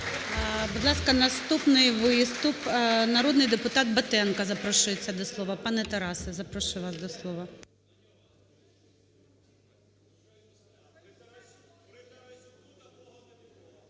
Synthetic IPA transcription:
bud̪lˠɑskɐnɐst̪upnɪjʋɪst̪upnɐɾɔd̪nɪjd̪epʊt̪ɑt̪̚bɐt̪ɛnkɐzɐpɾɔʃɪjet͡sʲːɐd̪ɔslˠɔʋɐpɑnɛt̪ɐɾɑsɪzɐpɾɔʃɪʋɑsd̪ɔslˠɔʋɐ

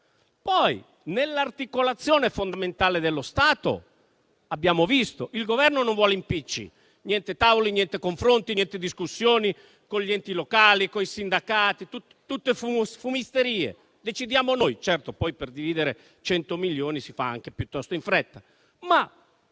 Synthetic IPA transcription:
pɔj | nelːart̪ikolat̪sːjoːnefond̪ament̪aːled̪elːost̪aːt̪o̰ | abːjaːmovist̪oʔilɡovɛrnonoɱvwɔːleimpit͡ʃːḭ | njɛnt̪et̪aːvolinjɛnt̪ekoɱfɾont̪injɛnt̪ed̪iskusːjoːni | konʎiɛnt̪ilokaːlikoisind̪akaːt̪it̪ut̪ːt̪ut̪ːefusfumist̪eɾiːḛ | d̪et͡ʃid̪jaːmonojt͡ʃɛrt̪opɔjperd̪iviːd̪eɾe | t͡ʃɛnt̪omiʎːoːnisifa̰a̰ŋk̟epjut̪ːɔst̪oiɱfɾɛt̪ːa | ma

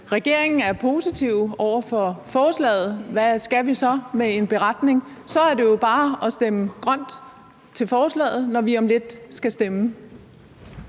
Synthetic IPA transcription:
ʁɛɡ̥e̝ɐ̰e̝ŋn̩æɐpʰo̝ːsit͡sʰiʊ̰ɒʊ̰ɐfɒ̽fɒːslɛ̰ːð̞̩ˠʋæsɡ̥æʋisɒ̽mee̝nb̥e̝ʁɑ̈d̥ne̝ŋsɒ̽æɐde̝jo̝b̥ɑ̈ːɒ̽sd̥eməɡ̥ʁɶn̰d̥ | t͡sʰe̝lfɒːslɛ̰ːð̩ˠnɒʋiɒ̽mle̝d̥sɡ̥æsd̥emə

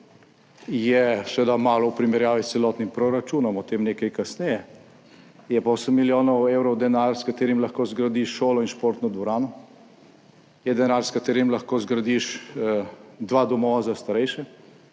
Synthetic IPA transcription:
jɛsʋed̪amaːlɔwpɾimɛɾjaːʋist̪sɛlɔːt̪nimpɾɔɾat͡ʃuːnɔmɔt̪eːmneːkajkasnɛjɛ | jɛpoːsəmːiljoːnɔwewɾɔwd̪ɛnaɾskat̪eːɾimlaxkoːzɡɾad̪iʃʃoːlɔinʃpoːɾt̪nɔd̪ʋɔɾaːnɔ | jɛd̪ɛnaːɾskat̪eːɾimlaxkozɡɾad̪iʃ | d̪ʋaːd̪ɔmɔːʋazast̪aɾɛjʃɛ

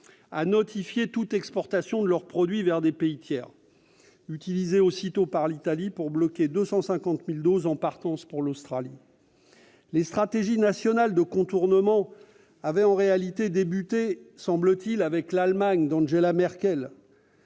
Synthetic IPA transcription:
a̰nɔt̪ifjet̪ut̪ɛkspɔʁt̪asjɔ̃d̪əlœʁpχɔd̪ɥivɛʁd̪epeit̪jɛ̰ːʁ | yt̪ilizeosit̪opaʁlit̪alipuʁblɔkʲed̪øsɑ̃sɛ̃kɑ̃t̪mild̪ozɑ̃paʁt̪ɑ̃spuʁlost̪χali | lest̪χat̪eʒinasjɔnald̪əkɔ̃t̪uʁnəmɑ̃ | avɛɑ̃ʁealit̪ed̪ebyt̪esɑ̃blət̪ilavɛklalmaɲd̪ɑ̃ʒelamɛʁkʲɛl

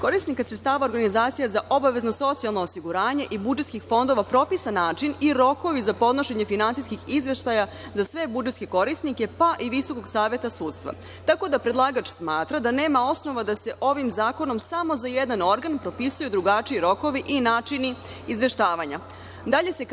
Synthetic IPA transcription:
ko̞ɾisnikasɾet̪st̪aːʋao̞ɾɡanizaːt̪sijazaʔobaʋe̞zno̞so̞t̪sialˠno̞osiɡuɾaːɲe̞ʔibud͡ʒet̪skixfo̞nd̪o̞ʋapɾo̞pisanaːt͡ʃiniɾo̞ko̞ʋizapo̞d̪no̞ʃe̞ɲefinansiskixizʋe̞ʃt̪aja | zasʋe̞bud͡ʒe̞t̪skeko̞ɾisnike̞paʔiʋiso̞ko̞ɡsaːʋje̞t̪asuːt̪st̪ʋa̰ | t̪ako̞d̪apɾed̪lˠaɡat͡ʃsmaːt̪ɾad̪ane̞ːmao̞sno̞ʋad̪ase̞ʔo̞ʋimzaːko̞no̞msamo̞zajed̪ano̞ɾɡanpɾo̞pisujud̪ɾuɡat͡ʃiiɾo̞ko̞ʋiʔinaːt͡ʃini | izʋe̞ʃt̪aːʋaɲa | d̪aʎe̞se̞

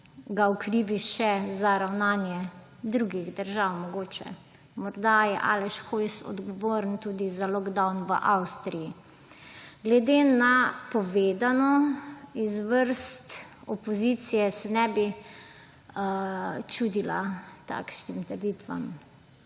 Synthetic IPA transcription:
ɡaɔkɾiːʋiʃɛzaɾawnaːnjɛ | d̪ɾuɡiɣd̪əɾʒawmɔɡoːt͡ʃɛ̰ | mɔɾd̪ajɛʔa̰lɛʃxojsɔ̰d̪ɡɔʋoːɾənt̪ud̪izalɔɡd̪awnʋə̰ʔawst̪ɾiji | ɡlɛd̪enapɔʋeːd̪anɔizʋəɾst̪ɔpɔzit̪sijɛsɛnɛbi | t͡ʃud̪ila̰t̪a̰kʃnimt̪əɾd̪iːt̪ʋa̰m

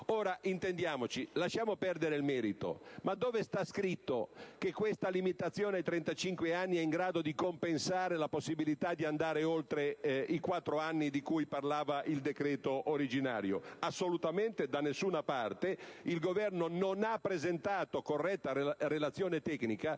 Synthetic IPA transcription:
oːɾaʔint̪end̪jaːmot͡ʃilaʃːjaːmopɛrd̪eɾeilmɛːɾit̪o̰mad̪ːoːvest̪askɾit̪ːokekːwest̪alimit̪at̪sːjoːneajt̪ɾɛnt̪at͡ʃiŋkweanːiɛiŋɡɾaːd̪od̪ikompensaːɾelaposːibilit̪ad̪iand̪aːɾeolt̪ɾeikwat̪ːɾoanːid̪ikujparlaːvaʔild̪ekɾɛːt̪oʔoɾid͡ʒina̰ːɾjo̰asːolut̪ament̪ed̪anːesːuːnapart̪eilɡovɛrnononapːɾezent̪aːt̪okorːɛt̪ːaɾelat̪sːjoːnet̪ɛknika

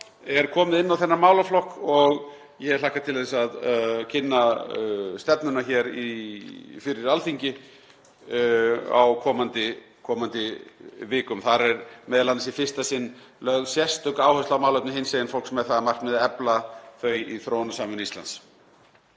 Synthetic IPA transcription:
ɛɾkʰɔːmɪðɪnːawθɛnːamaːwlaflɔhkɔɣ | jɛɛɾlaːhkat̪ʰɪlθɛsaðcʰɪnːa | st̪ɛpnʏnaçɛːɾi | fɪɾɪɾalθiɲcɪ | a̰wkʰɔːmant̪ɪ | kʰɔːmant̪ɪvɪːkʏmθaɾɛɾmɛːðalanasifɪr̥st̪asɪnː | lœɣsjɛst̪ʏkaːwhœst̪lawmaːwlat̪nɪhensejɪnfowl̥ksmɛðθaðamar̥t̪mɛðɛplaθœɥjiθɾoːwnasaːmʏnist̪la̰nt̪s

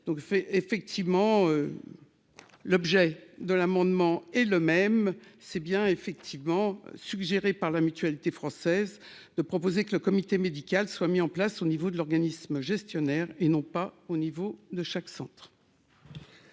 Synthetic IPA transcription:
d̪̥ɔ̃kefɛk̚t̪ʰivmɑ̃ø | lɔbʒɛd̪əlamɑ̃d̪mɑ̃ɛləmɛmsɛbjɛ̃efɛk̚t̪ʰivmɑ̰̃syɡʒeʁepaʁlamyt̪ɥalit̪efχɑ̃sɛz | d̪əpχɔpozekələkɔmit̪emed̪ikʲalswamiɑ̃plasonivod̪əlɔʁɡanisməʒɛst̪jɔnɛʁenɔ̃paonivod̪əʃaksɑ̃t̪χ

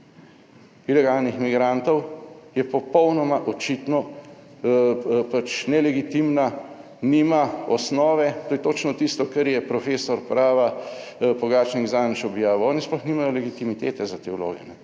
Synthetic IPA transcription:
ilɛɡalnixmiɡɾaːnt̪ɔwjɛpɔpɔwnɔmaʔɔt͡ʃit̪nɔ | pat͡ʃnɛlɛɡit̪imna | nimaɔsnɔːʋɛt̪oːjɛt̪ot͡ʃnɔt̪ist̪ɔkɛɾjɛpɾɔfeːsɔɾpɾaːʋabɔɡaːt͡ʃniɡzaːnt͡ʃɔbjaːʋoɔːnisplɔxniːmajɔlɛɡit̪imit̪eːt̪ɛzat̪eːulo̰ːɡɛ̰nɛ

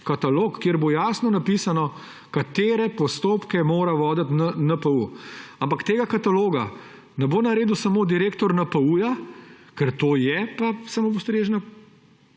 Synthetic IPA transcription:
kat̪aloːkːjeːɾbojaːsnɔnapisanɔ | kat̪eːɾɛpɔst̪oːpkɛmoːɾaʋɔːd̪ət̪nanəpəuampakt̪eːɡakat̪aloːɡa | nɛboːnaɾeːd̪usamoːd̪iɾeːkt̪ɔɾnapəujakɛɾt̪oːjɛpasamoust̪ɾeːʒna

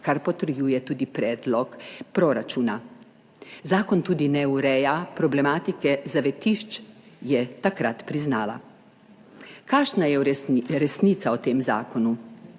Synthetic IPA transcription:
kaɾpɔt̪əɾjuːjɛt̪uːd̪ipɾɛːd̪lɔkpɾɔɾat͡ʃuːna | zaːkɔnt̪uːd̪inɛuɾɛjapɾɔblɛmaːt̪ikɛzaʋɛt̪iʃt͡ʃjɛt̪akɾat̪pɾiznaːla̰ | kaːʃnajɛɾɾɛsniːt̪saɔt̪eːmza̰ːkɔnu

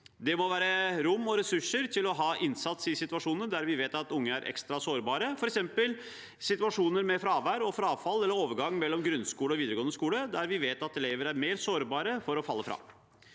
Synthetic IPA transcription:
d̪ɛmɔʋæːɾəɾʊmːɔɾɛsʉʂəɾt̪ʰɪlɔɦɑːʔɪnsɑt̪sɪsɪt̪ʉɑʂuːnəd̪æɾʋɪʋeːt̪ɑt̪ʊŋːəæɾʔɛ̰kst̪ɾɑsoːɾbɑːɾəfɔɾɛksɛmpəl | sɪt̪ʉɑʂuːnəɾmɛfɾɑːʋæːɾɔfɾɑɑːʋfɑlːɛlːəɾoːʋəɾɡɑŋːmɛlːɔmɡɾʉnskuːləɔʋiːd̪ɾəɡoːnəskuːləd̪æɾʋɪʋeːt̪ɑt̪ɛleːʋəɾæɾmeːɾsoːɾbɑːɾəfɔɾɔfɑlːəfɾɑ̰ː

